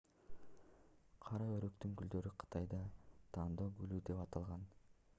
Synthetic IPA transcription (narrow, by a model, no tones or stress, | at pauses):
qʰɑɾɑøɾykt̪yŋɡyld̪ø̞ɾyqʰɯ̥t̪ɑjd̪ɑt̪ʰɑːnd̪oːɡylyd̪e̞pɑt̪ɑlˠʁɑn